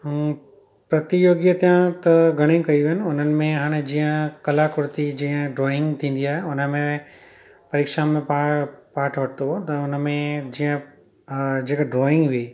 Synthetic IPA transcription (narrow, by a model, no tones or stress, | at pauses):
pɾɐt̪ijoːɡjət̪ijãt̪ɐɡʱɐɽ̃ĩkɐiʋɦɪnɪ̆ʊn̤ənɪ̆mẽɦaːɽ̃ed͡ʑiːə̃kɐlakʊɾt̪id͡ʑiːə̃ɖɾɔːɪ̃ŋɡt̪ʰĩːn̆d̪iaːɦeʊnəmẽ | pɐɾeːkʃamẽpapaːɾʈʰʋɐʈʰt̪ot̪ɐʊnəmẽd͡ʑiːə̃ | d͡ʑeːkɖɾɔːɪ̃ŋɡɦiː